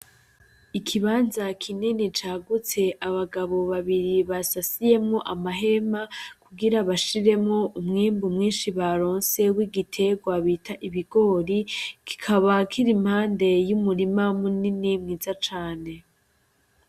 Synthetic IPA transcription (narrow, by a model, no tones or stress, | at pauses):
ikʰiβaːnzakʰinenit͡ʃaːɡut͡se̞ʔaβaɡaβo̞βaβiɾiβasasije̞mŋo̞ʔamaɦe̞makuɡiɾaβaʃiɾe̞mŋo̞ʔumŋiːmbumŋiːnʃiβaɾoːnse̞wiɡitʰe̞ɡwaβitʰaʔiβiɡ̥o̞ːɾiki̥kʰaβakʰiɾimhaːnde̞jumuɾimamuninimŋiːzat͡ʃaːne̞